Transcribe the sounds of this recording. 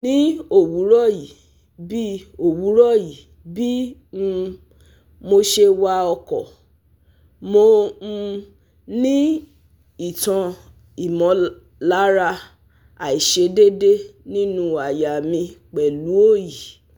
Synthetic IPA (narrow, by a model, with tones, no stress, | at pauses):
nĩ˦o˦˨wu˨˦ɾɔ˦˨ji˨ | bi˦o˦˨wu˨˦ɾɔ˦˨ji˨ | bi˦˧ | mo˧ʃe˧wa˧ɔ˧kɔ˨ | mo˧˦ | nĩ˦ | i˨tã˧ | i˨mɔ̃˧ | la˦ɾa˧ | a˨i˨ʃe˧de˦de˦nĩ˦nũ˧a˨ja˨mĩ˧k͡pɛ˨lu˨˦o˦˨ji˨